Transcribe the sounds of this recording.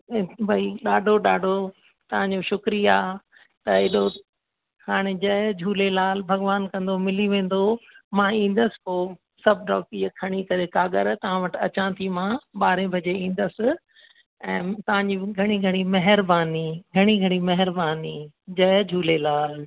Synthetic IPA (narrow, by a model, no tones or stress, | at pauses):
bʱɐiɗaːɖʱoɗaːɖʱo | t̪ɐʋ̤ãɲd͡ʑoʃʊkɾiaː | t̪ɐɪɗo | haːɽ̃ed͡ʑɐjd͡ʑʱuːlelaːlbʱɐɡʋaːnkɐ̃nd̪omɪliʋẽːn̆d̪omãĩːn̆d̪əsɪ̥koː | sɐbʱɖɔ̰ːkiəkʰɐɽ̃ikɐɾekaːɠə̰ɾt̪ɐʋ̤ãʋɐʈɐt͡ɕãːt̪ʰimãɓaːɾẽbʱɐd͡ʑeĩːn̆d̪əsɪ̆ | ɛ̃ːt̪ɐʋ̤ãɲd͡ʑiɡʱɐɽ̃iɡʱɐɽ̃imɐɦɪɾbaːniɡʱɐɽ̃iɡʱɐɽ̃imɐɦɪɾbaːni | d͡ʑɐjd͡ʑʱuːlelaːl